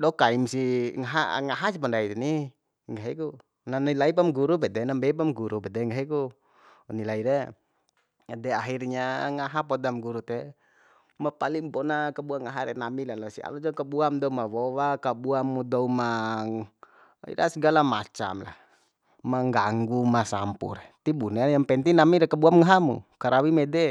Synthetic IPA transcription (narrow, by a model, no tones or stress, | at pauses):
dɔkaimsiŋaɦa̰ŋaɦas̬ipandait̪ini | ŋɡaɦiku | nanilaip̬amɡuɾup̬ɛdɛnambɛp̬amɡuɾupɛdɛŋɡaɦiku | nilaiɾe | dɛaɦirɲaŋaɦapɔdamɡuɾut̪ɛ | mapalimpɔnakabuaŋaɦaɾɛnamilalɔsia̰lɔd͡ʒɔkabuamd̪ɔumawɔwakabuamːudɔumaŋ | ḭɾasɡalama̰t͡ʃa̰mla̰h | maŋɡaŋɡumasampṵɾet̪ibunejaŋpɛnt̪inamiɾɛkabuamŋaɦamṵkaɾawimɛdɛ